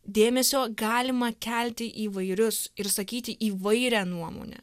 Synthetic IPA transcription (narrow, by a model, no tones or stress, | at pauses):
d̪ʲeːmʲɛsʲoːɡɑːlʲɪmɐkʲælʲt̪ʲɪʔiːʋɐɪɾʲʊsɪɾsɐkʲiːt̪ʲɪʔiːʋɐɪɾʲæːnuɔmo̰ːnʲɛ̰